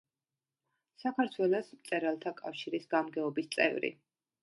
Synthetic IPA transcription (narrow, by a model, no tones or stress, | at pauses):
sakʰaɾt̪ʰwɛlɔsmt̪sʼɛɾalˠt̪ʰakʼafʃiɾisɡamɡɛɔbist̪sʼɛ̰vɾḭ